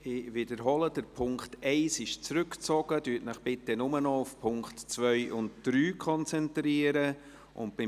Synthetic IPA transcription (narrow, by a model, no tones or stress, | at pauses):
ɪʋɪdəɾɦɔlədəɾpʰʊŋktʰɛɪsɪʃt͡sɾʏkt͡sɔɡ̥ədyːtnəχb̥ɪtːənʊmənɔʊfpʰʊŋkχtt͡svœʏʔʊntd̥ɾyːkʰɔnt͡sɛntɾiəɾə | ʔʊ̰ntb̥ɪ